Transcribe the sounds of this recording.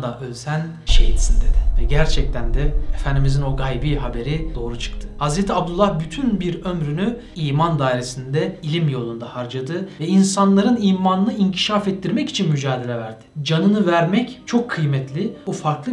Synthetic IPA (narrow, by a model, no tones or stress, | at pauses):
d̪aʔølʲsæn | ʃejit̪sind̪e̞d̪ɪvɛɟæɾt͡ʃʰɛc̚t̪ʰænd̪ɛefænd̪imizino̞ɡajbiːɦabe̞ɾid̪̥o̞ːɾut͡ʃʰɯ̥kt̪ʰɯ̥hazɾet̪ʰiab̚d̪ulˠːahbyt̪ʰynbiɾø̞mɾyny | iːmand̪aːiɾesind̪ɛilʲimjo̞lˠund̪ahaɾd͡ʒad̪ɯvɛinsanlˠaɾɯniːmanɯnɯiɲcʰi̥ʃaːfɛt̪ːiɾmɛci̥t͡ʃʰinmyd͡ʒaːd̪e̞lʲɛvæɾd̪̥ɪd͡ʒanɯnɯvæɾmɛct͡ʃʰo̞kʰːɯjmɛt̪lʲiufaɾklˠɯ